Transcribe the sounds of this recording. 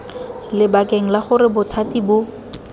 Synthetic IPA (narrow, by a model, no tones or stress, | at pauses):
lɪbakeŋ̩laχʊɾɪbʊtʰatibʊ